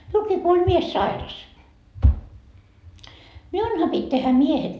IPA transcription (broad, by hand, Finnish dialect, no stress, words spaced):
miulkiː ko olʲ mies sɑirɑs miunhɑ pitʲ tehæ miehen